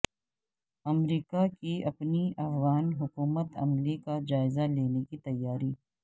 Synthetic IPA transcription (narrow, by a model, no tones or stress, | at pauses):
ɐmɾiːkakiɐpniɐfɣaːnɦʊkuːmət̪ɐ̰mlikad͡ʒaːɪzaleːnekit̪ɐjːaːɾiː